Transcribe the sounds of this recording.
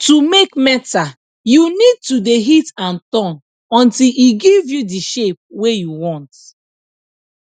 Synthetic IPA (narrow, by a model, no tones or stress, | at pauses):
tumekmɛta | junid̚tudeɦitãntɔ̃n | ɔ̃ntiliɡivjudiʃep̚wejuwɔ̃nt